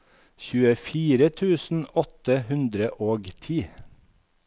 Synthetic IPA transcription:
çʉːəfiːɾət̪ʰʉːsn̩ɔt̪əhʉnd̪ɾəʔoːɡt̪ʰiː

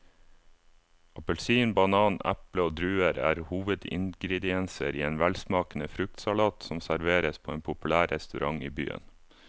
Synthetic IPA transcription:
ɑpəlsiːnbɑnɑːnæ̰pləoːd̪ɾʉːəɾæ̰ːɾhuːʋəd̪ɪ̰ŋɡɾɛd̪ɪɛnsəɾiːeːnʋælsmɑːkn̩əfɾʉk̚t̪sɑlɑːt̪sɔmsæɾʋeːɾəspʰoːeːnpʰʊpʉlæːɾʔɛst̪ʉɾʔɑŋiːby̰ːə̰n

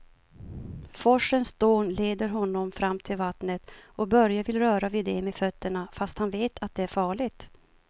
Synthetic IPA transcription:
fɔʂənsd̪oːnleːd̪əɾɦɔnːɔmfɾamːt̪ʰɪlvat̪nət̪ɔbœɾjavɪlɾœːɾavɪd̪ɛmefœt̪ːəɳafast̪hanveːt̪ʰat̪̚d̪ɛæɾfɑːɭɪɡt̪

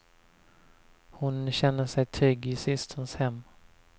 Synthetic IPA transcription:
hʊnɕɛnːəʂɛjt̪ʰɾʏɡɪsɪst̪hʊnshɛmː

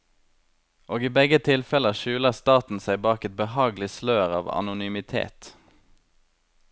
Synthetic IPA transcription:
ʔoːɡiːbɛɡət̪ʰɪlfɛləʃʉːləʁst̪ɑːt̪n̩sæɪbɑːkɛt̪̚bəhɑːɡlɪsløːʁɑ̰ːʋɑ̰nʊnyːmɪt̪ʰḛːt̪

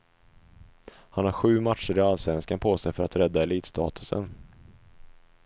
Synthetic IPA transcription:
hanhaɾɧʉ̟ːmatʂəɾɪalsvɛnskanpʰoːsɛjfœɾat̪ɾɛd̪ːaɛliːt̪st̪ʰɑ̰ːt̪ʰɵ̥sə̰n

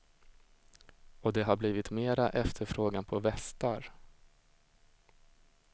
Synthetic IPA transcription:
ɔd̪ɛɦaɾbliːvɪt̪meːɾaʔɛft̪ʰəɾfɾoːɡanpʰɔvɛst̪aɾ

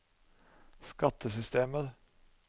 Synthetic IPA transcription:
skɑt̪ʰəsʏst̪eːməɾ

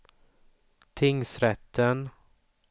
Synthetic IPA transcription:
t̪ʰɪŋsɾɛt̪ʰːən

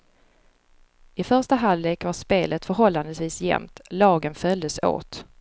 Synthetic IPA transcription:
ɪfœʂʈaɦalːeːkvaʂpeːlʔət̪fœɾɦɔlːand̪əsviːsjɛ̰mt̪lɑːɡənfœld̪əso̰ːt̪

